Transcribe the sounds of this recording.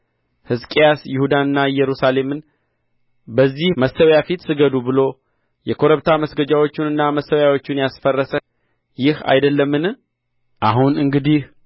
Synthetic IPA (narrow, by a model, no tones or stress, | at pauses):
hɨskʼijasjɪhud̪anɨnːajɛɾusale̞mɨn | bəzːihməsəwjafit̪sɨɡəd̪ubɨlo̞ | jɛkʰo̞ɾəβt̪ʰaməsɡəd͡ʒawo̞t͡ʃːɪnɨnːaməsːəwjawo̞t͡ʃːɪnjasfərːəsə | jɪha̰jd̪əlːəmːɨn | ʔaɦunɨŋɡɨd̪ih